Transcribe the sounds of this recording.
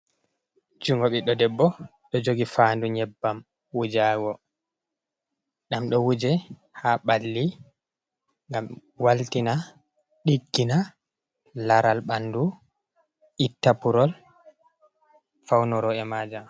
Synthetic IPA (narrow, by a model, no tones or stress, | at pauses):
d͡ʒuŋɡɔɓiɗɔdɛbːɔ | ɗɔd͡ʒoɡifaːnduɲɛbːam | wud͡ʒaːɡɔ | ɗamɗɔwud͡ʒɛ | haɓalːi | ŋɡam | waltina | ɗiɡːina | laɾalɓandu | ʔitːapuɾɔl | fawnɔɾɔɛmaːd͡ʒam